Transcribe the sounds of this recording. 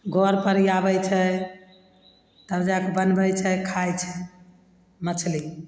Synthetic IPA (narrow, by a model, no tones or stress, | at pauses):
ɡʱoɾpəɾijabɛjt͡ʃʰɛ | t̪əɾd͡ʒakebənbəjt͡ʃʰɛkʰajt͡ʃʰɛ | mət͡ʃʰli